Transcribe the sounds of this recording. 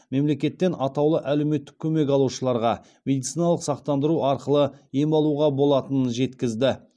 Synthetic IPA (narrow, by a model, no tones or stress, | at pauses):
me̞mle̞kʲe̞t̪ːe̞nʔɑt̪ɑwlˠəʔæle̞wme̞t̪ːɪ̥kʲʰɵme̞kɑlˠuʃəlˠɑɾʁɑ | mʲe̞d̪it̪sijnɑlˠəqsɑqt̪ɑnd̪əɾuɑɾqəlˠəje̞mɑlˠuʁɑbo̞lˠɑt̪ənənʒe̞t̪kʲɪzd̪ɪ